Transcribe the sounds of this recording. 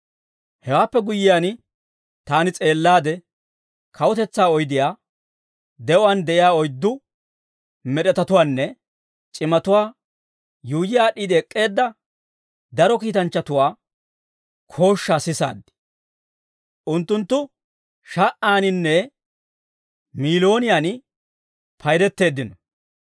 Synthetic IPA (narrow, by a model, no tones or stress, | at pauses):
hɛwaːpːɛɡʊjɪjaːn | t̪aːnɪt͡sʼe̞ːlːaːd̪ɛ | kʰɐwɔt̪ɛt͡sːaːɔjd̪ɪjaː | d̪ɛɔwaːnd̪ɛʔɪjaːɔjd̪ːʊ | mɛɗɛt̪ɐt̪ʊwaːnːɛ | t͡ʃʼɪmɐt̪ʊwaː | juːd͡ʒɪjaːɗiːd̪ɪɛkʼːe̞ːd̪ːɐ | d̪ɐɾɔkiːt̪ɐnt͡ʃːɐt̪ʊwaː | kʰo̞ːʃːaːsɪsa̰ːd̪ːɪ̥ | ʔʊnt̪ːʊnt̪ːʊ | ʃaʔaːnɪnːɛ | miːlo̞ːnɪjaːn | pʰɐjɾɛt̪ːe̞ːd̪ːɪnɔ